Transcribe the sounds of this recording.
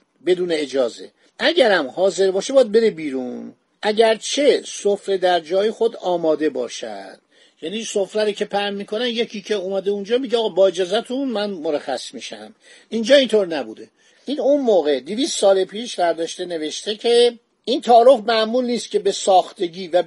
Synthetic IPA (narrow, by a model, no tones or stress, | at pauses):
be̞d̪uːneːd͡ʒɒːze̞̰ | ʔæɟæɾæmhɒːze̞ɾbɒːʃebɒjæd̪̚be̞ɾebiːɾun | ʔæɟæɾt͡ʃʰe̞sofɾed̪æɾd͡ʒɒːjexo̞d̪ɒːmɒːd̪e̞bɒ̰ːʃæ̰d̪̥ | jæniːsofɾæɾicʰe̞pʰæɾnmiːkʰo̞nænje̞cʰiːcʰe̞umæd̪eund͡ʒɒːmiɟeɒːɣːbɒːe̞d͡ʒɒːzæt̪ʰunmænmoɾæxæ̰smiʃæ̰m | iːnd͡ʒɒːint̪ʰoːɾnæbṵd̪e̞ | ʔiːnunmoːɣe̞d̪iviːst̪sɒːlepʰiːʃvæɾd̪ɒːʃt̪e̞ne̞ve̞ʃt̪e̞cʰe | ʔint̪ʰɒːɾofmæmuːlniːst̪̚cʰʲe̞besɒːxt̪e̞ɟiːvæ